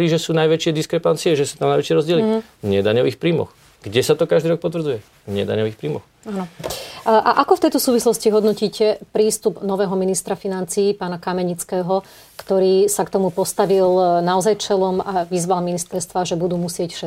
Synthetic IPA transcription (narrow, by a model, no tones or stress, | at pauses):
ɾiːʒɛsuːnajʋɛt͡ʃɪɛd̪iskɾɛpant͡siɛʒɛsuːt̪amnajʋɛt͡ʃɪɛɾɔzɟɪɛli | ɲɛd̪aɲɔʋiːxpɾiːmɔ̰x | ɡ̥ɟɛsat̪ɔkaʒd̪iːɾɔk̚pɔt̪ʋɾd͡zujɛ | ɲɛjɛd̪a̰ɲɔʋiːxpɾiːmɔx | anɔ | ʔaʔakɔft̪ɛjt̪ɔsuːʋislɔsciɦɔd̪nɔciːcɛpɾiːst̪ubnɔʋɛːɦɔminist̪ɾafinant͡siːpaːnakamɛɲit͡skɛːɦɔ | kt̪ɔɾiːsakt̪ɔmupɔst̪aʋilnaɔzajt͡ʃɛlɔmaʋizʋalminist̪ɛɾst̪ʋaʒɛbud̪uːmusɪɛcfʃɛ